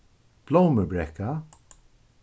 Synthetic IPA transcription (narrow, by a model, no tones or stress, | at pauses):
b̥lowməbɾɛka